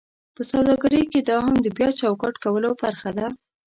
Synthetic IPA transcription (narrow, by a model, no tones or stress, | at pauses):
pəsawd̪ɑɡaɾəjked̪ɑɦamd̪əbjɑt͡ʃawkɑʈkawəlobaɾxad̪a